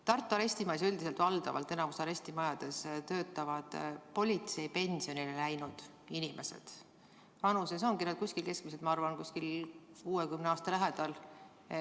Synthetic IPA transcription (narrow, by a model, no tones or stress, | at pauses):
t̪ɑrt̪ˑːoɑɾe̞sʲt̪imɑjs̬yld̪ise̞lt̪vɑld̪̥ɑ̰vɑ̰lt̪ːˑe̞nɑmusɑɾe̞sʲt̪imɑjɑd̪̥e̞st̪ø̞ːt̪ˑːɑvɑd̪̥po̞lʲit̪se̞jpe̞nʲsio̞nilelæjnud̪̥ | inimʔe̞se̞̰d̪̥ | vɑnuses̬o̞ŋɡinɑd̪̥̚kusʲkilke̞sk̚mised̪mɑɑrvɑnkusʲkil | kuːekymneɑːst̪ɑlæɦed̪̥ɑl